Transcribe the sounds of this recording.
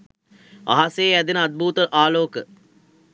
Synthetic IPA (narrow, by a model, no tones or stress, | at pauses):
a̰ɦaseːæd̪inəad̪̚bʱuːt̪əʔaːloːkə